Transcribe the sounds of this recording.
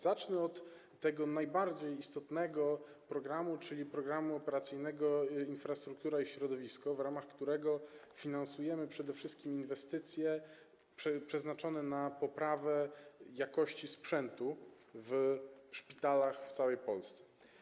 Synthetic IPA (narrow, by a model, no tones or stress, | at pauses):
zat͡ʂnɛɔt̪ː | ɛɡɔnajbaɾd͡ʑejist̪ɔt̪nɛɡɔpɾɔɡɾamut͡ʂɘlʲipɾɔɡɾamuɔpɛɾat̪sɘjnɛɡɔinfɾast̪ɾuk̚t̪uɾaiɕɾɔd̪ɔvʲiskɔvɾamaxkt̪uɾɛɡɔfʲinansujɛmɘpʂɛd̪ɛfʂɘst̪̚kʲiminvɛst̪ɘt̪sʲjɛ | ɛpʂɛznat͡ʂɔnɛnapɔpɾavɛjakɔɕt͡ɕispʂɛnt̪u | vʂpʲit̪alaxft̪sawɛjpɔlst̪sɛ̥